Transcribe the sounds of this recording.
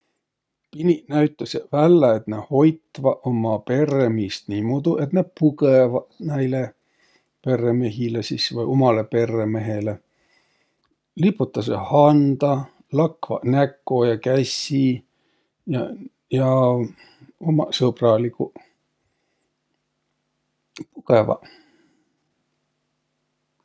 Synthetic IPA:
pininæɥt̪ːˑɑsevælːɑet̪neho̞jt̪ːˑvɑʔomɑpe̞remist̪niːmud̪uʔe̞t̪nepukevɑnæjle | pe̞reme̞ɦilesisvɯjo̞mɑle̞pe̞re̞me̞ɦele | lipːˑut̪ːˑɑs̬ḛhɑnd̪̥ɑ | lɑkvɑ̰nækːojɑkæsʲːi | jɑ | jɑ | omɑsɤprɑliku | pukevɑ̰

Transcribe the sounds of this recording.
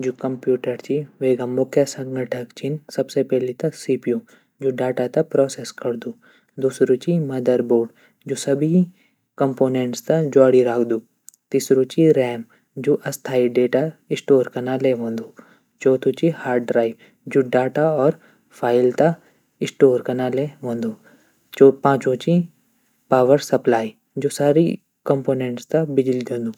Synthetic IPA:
d͡ʒukɐmpjuːʈəɾt͡ʃiʋeːɡɐmːokʰjesɐ̃ŋɡʱəʈʰəkt͡ʃinsɐbsepɛɦlit̪ɐksiːpijõ | d͡ʒoːɖaːʈat̪ɐpɾɔːseskɐɾd̪u | d̪uːsɾot͡ʃimɐd̪əɾboːɖ | d͡ʒoːsɐbi | kɐmpoːnẽɳʈst̪ad͡ʒaːɽiɾaːkʰd̪uː | t̪iːsɾot͡ʃiɾɛːm | d͡ʒoːʔɐst̪ʰaːiɖeːʈaɪsʈoːɾkɐnaleɦõːnd̪oː | t͡ʃɔːt̪ʰot͡ʃihaːɾɖɾaːɪʋ | d͡ʒoɖaːʈaɔːɾ | pʰaːɪlt̪a | ɪsʈoːɾkɐnaleɦõːnd̪oː | t͡ʃopãːt͡ʃõt͡ʃi | paːʋəɾsɐplaːi | d͡ʒoːsaːɾi | kɐmpoːnẽːɳʈst̪ãbɪd͡ʒlid̪õːnd̪uː

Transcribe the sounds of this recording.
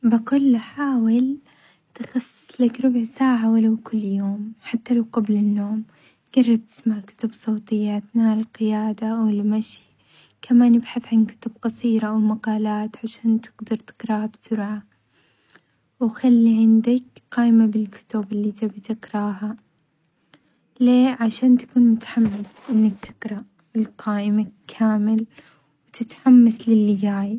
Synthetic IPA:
baqʊlːħaːwɪl | t̪ɪxɑsˤːɨ̥sˤlakɾʊbʕsaːʕawalawkʊlːjoːmħat̪ːalawqablɪnːoːm | ɡ̥ɑrˤːɑb̚t̪ɪ̥smaʕkʊ̥t̪ʊbsˤoːt̪ˤɪjːat̪nalqɪjaːd̪awɪlmaʃi | kamaːnjɪbħaθʕankʊ̥t̪ʊb̚qɑsˤiːɾaʔawmaqɑːlaːt̪ʕaʃaːnt̪ɪ̥ɡd̪ɑɾˤt̪ɪ̥qɾˤɑhabt̪ʊɾʕa | wxalːiʕɪnd̪ɪkqaːʔɪmabɪlkʊ̥t̪ʊbɪlːiːt̪abt̪ɪkɾˤɑːɦa | leːʕaʃaːnt̪ḁkuːnmʊt̪ḁħamːɪsʔɪnːak̚t̪ʰɪ̥qɾˤɑ | ɪlqʰaːʔɪmakʰːaːmɪl | wt̪ɪt̪ħamːaslɪlːɪɡaːj

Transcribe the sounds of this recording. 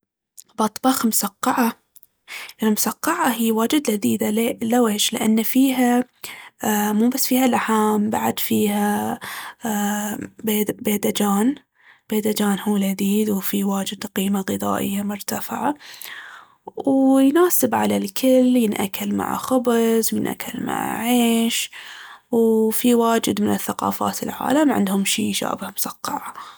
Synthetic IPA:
bɑt̪ˤbɑxmʊsaqːɑʕa | ʔɪlmʊsɑqːɑʕaɦiːwaːd͡ʒɪd̪lad̪iːd̪alelaweːʃlɪʔanːafiːɦa | muːbasːfiːhalaħaːmba̰ʕad̪fiːha | bbeːd̪ad͡ʒaːn | b̥eːd̪ad͡ʒaːnhuːlad̪iːd̪wfiwaːd͡ʒɪd̪qiːmaɣɨðˤɑ̰ːʔɪ̰jːamʊɾt̪afɪʕa | wjnaːsɪbʕalalkʰɪljɪnʔa̰kːalma̰ʕ̰xʊbzwjɪnʔa̰kʰːalma̰ʕʕeːʃ | wfiwaːd͡ʒɪd̪mɪnɪθːaqɑ̰ːfa̰ːt̪ɪ̰lʕa̰ːlamʕɪ̰nd̪hʊmʃiːʃa̰ːbhamʊsˤɑqːɑʕa

